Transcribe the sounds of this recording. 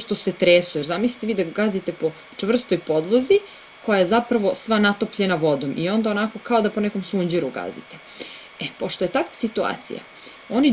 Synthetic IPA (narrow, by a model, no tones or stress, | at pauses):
ʃt̪o̞set̪ɾeːsujeɾzamisli̥t̪eʋiːd̪aɡazit̪epo̞ | t͡ʂʋr̩st̪o̞jpo̞d̪lˠozi | kojajezapɾaʋo̞sʋanat̪o̞pʎenaʋo̞d̪o̞mʔio̞nd̪ao̞nako̞kao̞d̪apo̞nɛko̞msuɲd͡ʑiɾuɡa̰zḭt̪e | epo̞ʃt̪o̞je̞t̪akʋḁsit̪ua̰ːt̪sḭja̰ | oni